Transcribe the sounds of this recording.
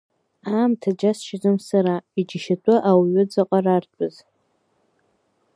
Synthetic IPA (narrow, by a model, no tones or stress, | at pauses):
aːmtʰad͡ʒasʃɪzɨmsaɾaid͡ʒɪʃatʷʼʊʔawɥʊd͡zaqʼarartʷʼʊz